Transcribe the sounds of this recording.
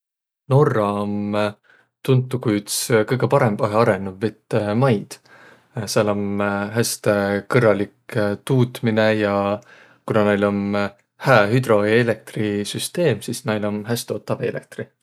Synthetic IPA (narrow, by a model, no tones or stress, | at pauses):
no̞rːɑom | t̪unt̪ːˑukujyt̪skɤjɡ̥epɑɾembɑɦeɑɾenːuvːet̪ːmɑjd̪̥ | sɑlomɦæst̪ekɤrːɑlikt̪uːt̪minejɑ | kunɑnejlo̞n | hæːɦyd̪ro̞elek̚t̪risyst̪e̞ːmsisnɑjlo̞nɦæst̪o̞ːt̪ˑːɑvelḛk̚t̪ri